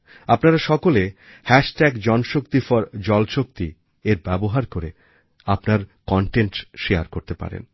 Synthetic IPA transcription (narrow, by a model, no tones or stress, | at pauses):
apnaɾaʃɔkole | hɛʃʈɛɡd͡ʑɔnʃokt̪ifɔɾd͡ʑɔlʃok̚t̪i | eɾbɛboɦaɾkoɾe | apnaɾkɔɳʈenʈʃeaɾkoɾt̪epa̰ɾḛn